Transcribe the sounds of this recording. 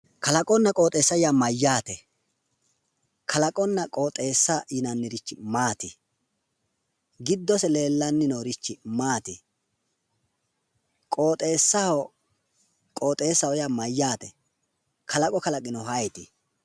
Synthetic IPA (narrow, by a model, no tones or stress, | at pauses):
kɐlɐkʼɔnːɐkʼo̞ːt̪ʼeːsːɐjaːmɐjːaːt̪ɛ | kʰɐlɐkʼɔnːɐkʼoːt̪ʼe̞ːsːaʔɪnɐnːɪɾɪt͡ʃːɪmaːt̪ɪ | ɡɪd̪ːɔsɛleːlːɐnːɪnoːɾɪt͡ʃːɪmaːt̪ɪ | kʼo̞ːt̪ʼe̞ːsːɐɔ | kʼoːt̪ʼe̞ːsːɐwɔjaːmɐjːaːt̪ɛ | kʰɐlɐkʼɔkɐlɐkʼɪnɔhɐjt̪ɪ